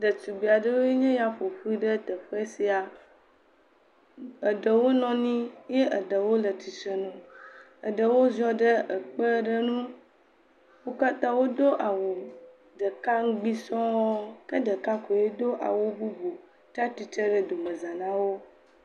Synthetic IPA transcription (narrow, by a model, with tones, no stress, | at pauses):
ɖə˨tu˨ɡ͡bi˨a˨ɖə˦wo˦e˦ɲɛ̃˦ja˨ɸo˨ɸi˦ɖə˦t̪ə˨ɸe˦si˦a˨ | ə˨ɖə˨wo˦nɔ̃˨˦nĩ˦je˦ʔə˨ɖə˨wo˦lə˨t̪i˨sə˦nũ˦ | ə̰˨ɖə˨wo˦zɔ˦ɖə˦ʔə˨k͡pə˦ɖə˦nũ˦ | wo˦ka˦t̪ã˦wo˦d̪o˦ʔa˨wo˨ | ɖə˨ka˦ŋ̩˦ɡ͡bi˦sɔ̃˦wɔ˦kə˦ɖə˨kã˦ko˨je˦d̪o˦ʔa̰˨wo˦bu˦bu˨ | t̪a˦t̪i˨t͡ʃə˦ɖə˦d̪o˨mə̃˨zã˨nã˦wo˦